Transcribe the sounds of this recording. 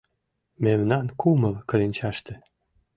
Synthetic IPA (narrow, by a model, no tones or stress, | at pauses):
memnɑnkumə̆lkɤ̆lenʲt͡ɕɑʃt̪ĕ